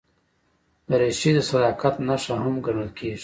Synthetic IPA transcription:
d̪əɾeʃid̪əsad̪ɑːkat̪naʂaɦamɡaɽalkʰeːʐi

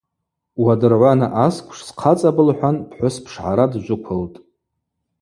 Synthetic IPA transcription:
wadɨrʕʷanaʔaskʷʰʼʂsqʰat͡sʼabɨlħʷᶣanpʰħʷʊspʰʂʕa̰ɾadʒʷʊkʷʰʊltʼ

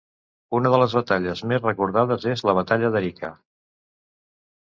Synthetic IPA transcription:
unəðələzβət̪aʎəzmezrəkuɾðaðəzezləβ̞ət̪aʎəðəɾikʰa̰

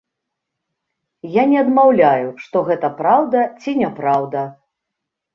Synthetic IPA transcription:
janʲɛɐd̪mawlʲajuʂt̪ɔɣɛt̪ɐpɾawd̪ɐt͡sʲinʲɛpɾawd̪ɐ

